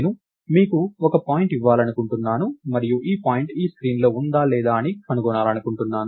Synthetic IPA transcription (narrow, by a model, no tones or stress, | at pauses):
nu | miːkuɔkɐpaːjiɳʈiʋːaːlɐnukuɳʈunːaːnumɐɾijuʔiːpaːjiɳʈiːskɾiːnlo̞ːund̪aːlɛːd̪aːɐniɐnukɔnaːlɐnukuɳʈunːaːnu